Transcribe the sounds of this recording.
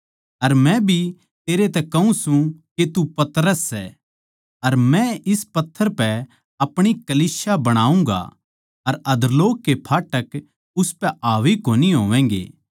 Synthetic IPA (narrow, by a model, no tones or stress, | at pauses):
ɐɾmɛ̃bʱi | t̪eːɾet̪ɛkɐɦũsũket̪upɐt̪ɾəsːɛ | ɐɾmɛ̃ɪspɐt̪ʰːəɾpɛ | ɐpɽ̃ikɐliːsjabɐɽ̃aːũŋɡa̰ | ɐɾɐd̪loːkːepʰaːʈək | ʊspɛaːʋikoːniɦo̰ːʋɛ̃ːŋɡḛː